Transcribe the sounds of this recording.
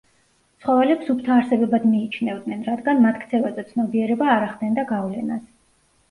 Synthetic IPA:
t̪sʰχɔvɛlɛpsupʰt̪ʰaːɾsɛbɛbad̪miːt͡ʃʰnɛvd̪nɛnɾad̪ɡanmat̪ʰkʰt̪sʰɛvazɛt̪sʰnɔbiɛɾɛbaːɾaχd̪ɛnd̪aɡavlɛnas

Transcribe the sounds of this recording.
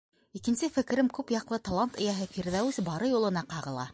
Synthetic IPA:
ikɘ̆nsɘfɘ̆k̆ɾɘmkʉpjɑqlˠɤt̪olˠant̪ɘ̆jæɦɘfiɾðæwɘsbɑɾɤjulˠɤ̆nɑqɑʁɤ̆lˠɑ̰

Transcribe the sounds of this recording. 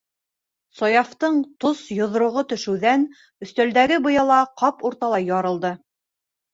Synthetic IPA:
sɒjɑft̪ɤɴt̪osjŏð̆ɾŏʁot̪ɵ̆ʃɘ̆wðæn | ɵ̆θt̪æld̪æɡɘbɤ̆jɑlˠɑqɑpuɾt̪ɑlˠɑjɑɾɤ̆lˠd̪ɤ

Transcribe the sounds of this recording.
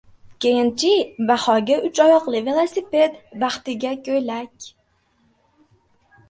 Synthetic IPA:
kʲejɪnt͡ʃʰibaχɒɡʲaʔʊt͡ʃɒjɒqlˠɪvelˠosipʲe̞t̪baχt̪ɪɡʲakʲɵjlakʲ

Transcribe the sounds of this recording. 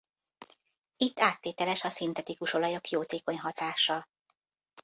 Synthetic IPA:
it̪ːaːt̪ːeːt̪ɛlɛʃɒsint̪ɛt̪ikuʃo̞lɒjo̞kjoːt̪eːko̞ɲɦɒt̪aːʃːɒl

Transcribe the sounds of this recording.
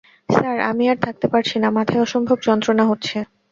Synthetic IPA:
saɾa̰miaɾt̪ʰak̚t̪epaɾt͡ɕʰinamat̪ʰaeɔʃɔmbʱobd͡ʑɔnt̪ɾonaɦotːɕʰe

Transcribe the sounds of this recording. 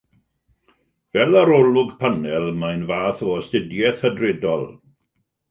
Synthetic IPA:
vɛlˠaɾɔlʊɡpʰənɛlˠmajnvaːθɔɔstɪdjɛθhədrɪdɔlˠ

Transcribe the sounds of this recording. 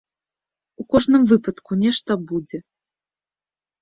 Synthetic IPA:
ukɔʐnɨmvɨpɐt̪kunʲɛʂt̪ɐbud͡zʲɛ

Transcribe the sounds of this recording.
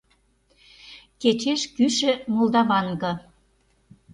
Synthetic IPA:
ket͡ɕeʃkyʃə̆mold̪ɑβɑŋɡɤ̆

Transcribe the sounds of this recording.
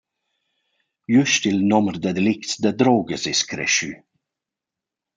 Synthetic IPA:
jʉʃtilnɔmrd̪əd̪ɛlɪkt̪d̪əd̪ɾɔːɡəzɛskɾɛ̰ʃy

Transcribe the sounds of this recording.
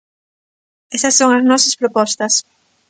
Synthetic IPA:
ɛsɐsːoŋɐznɔsɐspɾopɔst̪ɐs

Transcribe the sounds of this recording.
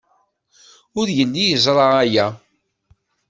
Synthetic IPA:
ʊɾjənːijəzˤɾˤɑæjæ

